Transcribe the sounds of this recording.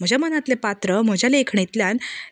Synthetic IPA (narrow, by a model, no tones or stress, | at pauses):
m̤əd͡ʑamənat̪lepat̪ɾəm̤əd͡ʑaleekʰɳit̪ljan